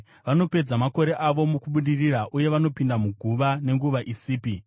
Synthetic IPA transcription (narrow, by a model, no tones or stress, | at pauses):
ʋano̞pe̞d͡zamako̞ɾe̞ʔaʋo̞mukuɓuɗiriraʔuje̞ʋano̞pindamuɡʱuʋane̞ŋɡuʋaʔisiːpi